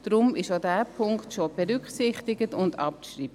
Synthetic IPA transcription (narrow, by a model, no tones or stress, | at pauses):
d̥ɾʊmɪʃodæːpʰʊŋktʃob̥ɛɾʏkχsɪχtɪɡətʊndɑ̰p̚ʃɾiːbə